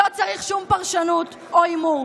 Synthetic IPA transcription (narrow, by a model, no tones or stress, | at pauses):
ot͡saʁiχʃumpaʁʃanut̪ | oimu